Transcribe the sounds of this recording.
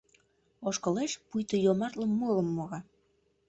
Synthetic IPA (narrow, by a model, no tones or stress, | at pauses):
oʃkə̆leʃpujt̪əjomɑrt̪ləmːuələ̆mːoɣɑ